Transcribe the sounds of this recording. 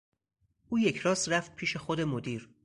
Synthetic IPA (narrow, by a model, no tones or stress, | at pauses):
ʔuːje̞cʰɾɒːsɾæft̪̚pʰiːʃe̞xod̪e̞mod̪iːɾ